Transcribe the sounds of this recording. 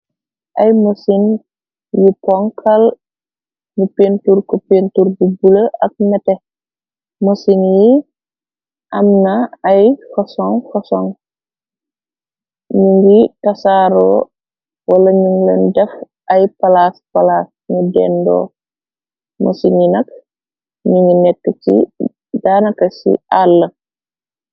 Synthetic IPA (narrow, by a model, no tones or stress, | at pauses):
ʔɐjmosin | jipɔŋkʰɐl | mupenturkɔpentuɾbubuləʔɐk̚mɛtɛ | mosinji | ʔɐmnaɐjfɔsɔŋfɔsɔŋ | ɲuŋɡitɐsaːɾɔː | wɐlɐɲuŋlɛndɛf | ɐjpɐlaspalaːs | ɲudɛndɔ̰ː | mʔo̰sininɐk̚ | ɲuŋɡinɛkːət͡ʃḭ | daːnɐkɐsḭʔalːə